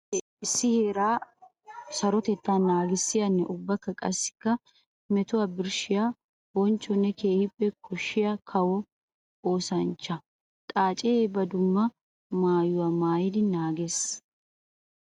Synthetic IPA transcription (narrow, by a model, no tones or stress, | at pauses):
ʔɪsːɪheːɾaː | sɐɾɔt̪ɛt̪ːaːnaːɡɪsːɪjɐnːɛʔʊbːɐkːɐkʼɐsːɪ̥kːɐ | mɛt̪ʊwabɪɾʃɪjaː | bɔnt͡ʃːɔnːɛke̞ːhɪpʼːɛkʰɔʃːɪjakʰɐwɔ | oːsɐnt͡ʃːɐ | t̪ʼaːt͡ʃʼɛebɐd̪ʊmːɐ | maːjʊwamaːjɪd̪ɪnaːɡeːs